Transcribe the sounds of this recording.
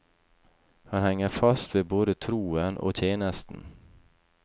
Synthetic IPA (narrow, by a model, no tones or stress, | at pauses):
hɑnhɛŋːəɾfɑst̪ʋeːboːd̪ət̪ʰɾuːənʔo̰ːt̪ʰjeːnəst̪n̩